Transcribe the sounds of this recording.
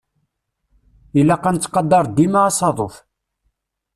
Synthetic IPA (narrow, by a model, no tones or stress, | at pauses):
ilːæqɑnt͡sːqɑd̪ɑɾˤd̪imaɑsˤɑðˤoθ